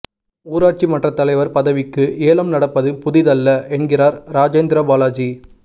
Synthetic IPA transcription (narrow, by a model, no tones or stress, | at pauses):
uːɾaːʈ̚t͡ʃimɐʈrɐt̪ːɐlɐɪʋɐɾpɐðɐʋɪkːɯʔeːlɐmnɐɽɐpːɐðɯpʊðɪðɐlːɐʔɛnɡɪɾaːɾɾaːd͡ʒɐːnd̪ɪɾɐbaːlaːd͡ʒi